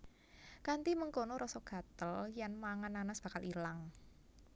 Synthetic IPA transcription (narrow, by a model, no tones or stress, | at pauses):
kant̪iməŋkonoɾʔɔsɔɡ̥a̤t̪əljanmaŋananasb̥ä̤kalʔilaŋ